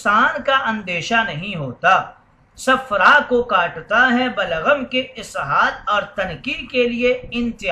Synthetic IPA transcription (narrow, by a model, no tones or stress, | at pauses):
saːnkaʔɐ̃nd̪eːʃanɐɦĩɦoːt̪aː | sɐfɾakokaːʈt̪aɦɛbɐləɣəmkeɪsɦaːd̪ɔːɾt̪ɐnkikelieɪ̃nt̪ɪ